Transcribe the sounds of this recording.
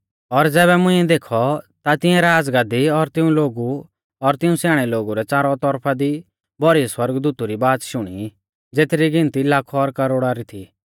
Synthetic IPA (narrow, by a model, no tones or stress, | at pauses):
ɔɾd͡zɛːβɛmʊ̃ĩɛd̪eːkʰɔt̪at̪ɪɛ̃ɾaːd͡zɡaːd̪iɔɾt̪ɪũloːɡu | ɔɾt̪ɪũsaːɽ̃ɛloːɡuɾɛt͡saːɾɔt̪ɔɾpʰad̪i | bʱɔɾiswɐɾɡd̪uːt̪uɾibaːt̪ʃʊɽ̃i | d͡zeːt̪ɾiɡɪ̃nt̪ilakʰɔɾkɐɾoːɽaɾit̪ʰi